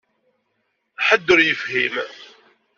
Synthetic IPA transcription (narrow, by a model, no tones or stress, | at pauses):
ħəd̪ːəɾjəfhim